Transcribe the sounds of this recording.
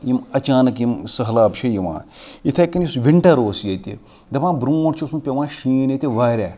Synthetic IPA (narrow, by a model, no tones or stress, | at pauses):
jimɐt͡ʃaːnɐkjimsɐɦlaːpt͡ʃʰɐjiʋa̰ːit̪ʰekːɐnjisʋiɳʈɐɾoːsjɐt̪ḭ | d̪ɐbãːbɾuːʈt͡ʃʰiusmupʲɐʋãːʃiːnet̪ʲiʋaːɾʲɛː